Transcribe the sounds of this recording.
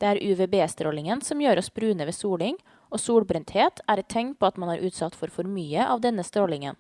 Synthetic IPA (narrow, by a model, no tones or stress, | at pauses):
d̪̥eːæːɾʔʉʋeːbeːst̪ɾoːlɪŋənsɔmjøːɾɔsbɾʉːnəʋeːsuːɭɪŋ | ʔoːsuːɽbɾɛnt̪heːt̪ʰæːɾɛt̪ʰːɛŋ̚pʰoːɑt̪mɑnæːɾʔʉːt̪sɑt̪ːfɔɾfɔɾmyːəʔɑ̰ːʋd̪ɛnəst̪ɾoːlɪŋə̰n